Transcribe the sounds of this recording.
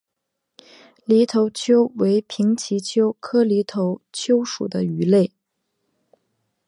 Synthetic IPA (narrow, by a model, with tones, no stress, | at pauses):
li˧˥t̪ʰo˧˥ʊt͡ɕʰjo˥ʊwe˧˥ɪpʰi˧˥ŋt͡ɕʰi˧˥t͡ɕʰjo˥ʊkʰɤ˥li˧˥t̪ʰo˧˥ʊt͡ɕʰjo˥ʊʂṵ˨˩d̪ə˦y˧˥le˥˩ɪ